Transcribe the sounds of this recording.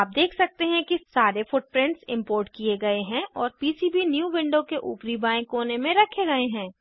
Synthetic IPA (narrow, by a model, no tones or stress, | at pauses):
aːp̚d̪eːkʰsɐk̚t̪eɦɛ̃kisaːɾefʊʈ̚pɾɪ̃ɳʈsɪ̃mpoːɾʈkieɡɐeɦɛ̃ʔɔːɾpiːsibinjuːʋɪ̃ɳɖokeʔṵːpɾibaːẽkoːnemẽɾɐkʰeɡɐeɦɛ̃ː